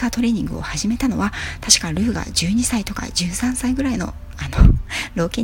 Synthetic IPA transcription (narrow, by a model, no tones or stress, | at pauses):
at̪o̞ɾe̞ːɲ̟ĩŋɡɯ̟̰o̞̰haʑime̞t̪ano̞̰βat̪aɕi̥kaɾɯ̟ːɡa̰ʑɨːɲ̟isait̪o̞ka̰d͡ʑɨːsãɰ̃saiɡɯ̟ɾaino̞̰ | anoɾo̞ːkẽ